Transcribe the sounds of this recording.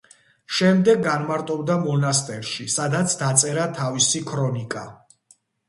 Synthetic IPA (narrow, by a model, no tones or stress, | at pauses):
ʃɛmd̪ɛɡːanmaɾt̪ʼɔbd̪amɔnast̪ʼɛɾʃisad̪at̪sʰd̪at̪sʼɛɾat̪ʰavisikʰɾɔnikʼa